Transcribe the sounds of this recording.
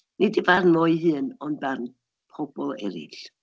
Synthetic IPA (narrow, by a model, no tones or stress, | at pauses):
nɪdivarnmɔjhɨːnɔnbarn | pʰɔb̥ɔlˠɛ̰ɾɪ̰ɬ